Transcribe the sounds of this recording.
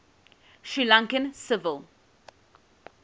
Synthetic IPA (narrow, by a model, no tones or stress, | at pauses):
ʃɹilãŋkə̃nsɪvəlˠ